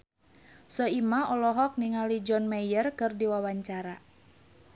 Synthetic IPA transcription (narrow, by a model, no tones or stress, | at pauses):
sɔimaɔlɔɦɔk̚niŋalid͡ʒɔnmɛjərkɨrdiwawaɲt͡ʃaɾa